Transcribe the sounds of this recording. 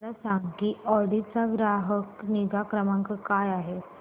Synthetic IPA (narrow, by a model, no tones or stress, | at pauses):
lasãŋɡkiɔɽit͡saɡɾaɦəknid͡zakɾəmãŋkəkajaɦe